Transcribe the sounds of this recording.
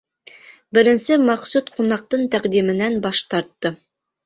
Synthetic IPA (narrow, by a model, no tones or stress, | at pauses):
bɘ̆ɾɘ̆nsɘmɑqsut̪qunɑq̚t̪ɤɴt̪æqd̪imɘ̆nænbɑʃt̪ɑɾt̪ːɤ